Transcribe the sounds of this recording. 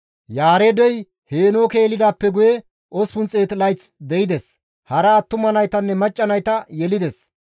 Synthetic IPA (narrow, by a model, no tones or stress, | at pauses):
jaːɾed̪ɛj | heːnoːke̞ːlɪd̪aːpːɛɡʊjɛ | ʔɔspʊnt͡sʼeːt̪ɪlɐjt͡sd̪ɛjɪd̪ɛs | hɐɾɐːt̪ːʊmɐnɐjt̪ɐnːɛmɐt͡ʃʼːɐnɐjt̪ɐjɛlɪd̪ɛs